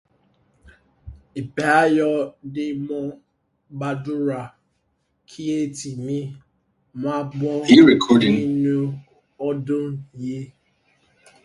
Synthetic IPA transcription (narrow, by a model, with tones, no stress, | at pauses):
i˨pe˨a˦jɔ˦dɪ˦mɔ˦ | ba˨du˦ɾa˨ | kʰi˦e˦ti˨mi˦ | m˦a˦bɔ˦i˦ɾɛ˨kʰɔ˦dɪ̃˨ŋi˦nu˦ | ɔ˦dʊ˦ji˦